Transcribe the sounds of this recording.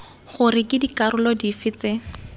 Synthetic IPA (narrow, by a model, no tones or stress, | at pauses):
χʊrɪkʼɪdikaɾʊlɔdifɪt͡sɪ